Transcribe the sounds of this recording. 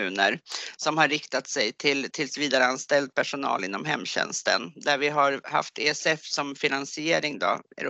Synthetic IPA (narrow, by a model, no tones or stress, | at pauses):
ʉ̟ːnəɾsɔmhaɾːɪkt̪at̪sɛjt̪ʰɪlt̪ʰɪlsviːd̪aɾəanst̪ɛld̪̚pʰæʂʊnɑ̰ːlɪnːɔmɦɛmːɕɛ̰nst̪ə̰nd̪æɾvɪɦaɾha̰ft̪ʰeːɛsɛfsɔmfɪnansɪeːɾɪŋd̪ɔ̰ɛ̰ɾ